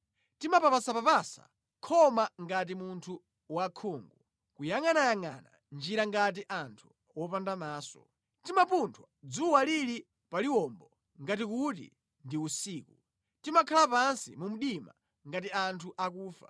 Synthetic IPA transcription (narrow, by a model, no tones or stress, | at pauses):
timapapasapapasa̰ | kʰɔmaŋɡat̬imuntʰu | wakʰuːŋɡu | kujaŋanajaŋa̰na̰ | nd͡ʒiɾaŋɡat̬iʔantʰu̥ | wɔpandamaːsɔ̰ | timapuntʰwad͡zuwaliɾi | paliwɔmbɔ | ŋɡatikutḭ | ndiusiːku | timakʰalapansḭmum̩ɗima̰ | ŋɡatiantʰuʔakuːfa̰